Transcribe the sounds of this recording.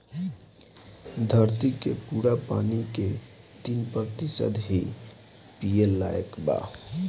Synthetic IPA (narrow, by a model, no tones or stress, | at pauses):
d̪ʱəɾt̪ikepuːɾapa̰ːnike | t̪iːnpɾət̪isə̰d̪ɦi | pielːaːjə̰kba̰ː